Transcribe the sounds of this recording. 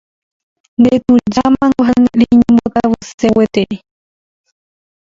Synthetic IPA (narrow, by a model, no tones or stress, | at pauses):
nd̪et̪ũd͡ʒamãŋɡoɦanɾiɲẽmbot̪aβɨsewet̪ei